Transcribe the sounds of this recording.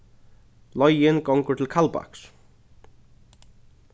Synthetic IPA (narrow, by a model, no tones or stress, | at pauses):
lɔjjɪnkɔŋkʏɾt̪ʰɪlkʰalpa̰ks